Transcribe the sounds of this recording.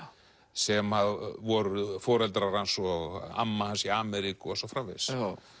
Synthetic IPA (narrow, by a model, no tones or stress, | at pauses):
sɛmaðvɔɾfɔːɾɛlt̪ɾaɾhansɔa̰mːahansiaːmɛɾikʏɔsɔfɾaːvɪ̰ðs